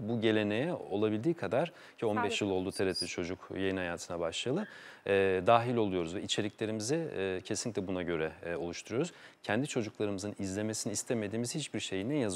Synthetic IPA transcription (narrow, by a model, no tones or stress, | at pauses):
buɟe̞lʲe̞ne̞jɛo̞lˠabilʲd̪iːkʰad̪aɾ̥ | cʰio̞nbɛʃjɯlˠo̞lˠd̪uːt̪ʰeɾɛt̪lʲit͡ʃʰo̞d͡ʒukjajɯnhajaːt̪ʰɯnabaʃlˠalˠɯɛːd̪aːɦilʲo̞lˠujo̞ɾuzvɛit͡ʃʰe̞lʲiclʲe̞ɾimizɛcʰesinicʲlʲɛbunaɟø̞ɾɛo̞lˠuʃt̪ʰuɾujoɾuz̥cʰɛnd̪it͡ʃʰo̞d͡ʒuklˠaɾɯmɯzɯnizlʲe̞me̞siniːst̪ʰeme̞d̪iːmiz̥hit͡ʃbiɾʃe̞jind̪ænjaz